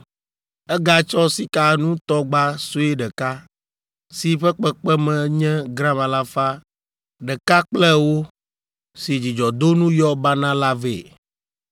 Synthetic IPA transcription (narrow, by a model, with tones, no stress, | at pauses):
ɛ˦ɡa˦t͡ʃɔ˦si˦ka˨˦nũ˦t̪ɔ˦ɡ͡ba˦so˦ɛ˦ɖɛ˨ka˦ | si˨ɸɛ˦k͡pɛ˦k͡pɛ˦mɛ̃˨ɲɛ̃˦ɡɾã˦mã˨la˦fa˦ | ɖɛ˨ka˦k͡plɛ˦wo˦ | si˨d͡ʑi˨d͡ʒɔ˨d̪o˦nũ˦jɔ˦ba˦nã˦la˦vḛ˨